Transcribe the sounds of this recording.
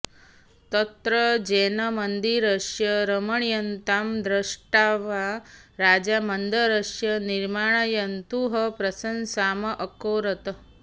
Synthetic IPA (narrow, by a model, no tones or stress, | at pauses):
t̪ɐt̪ɾəd͡ʒenɐmənd̪iɾəʂjɐɾəməɳ̃jɐnt̪aːmd̪ɾəʂʈaʋaɾaːd͡ʒamɐnd̪əɾəʂjɐniɾmaːɳ̃ɐjɐnt̪uɦɐpɾɐsənsaːmɐʔəkoːɾɐt̪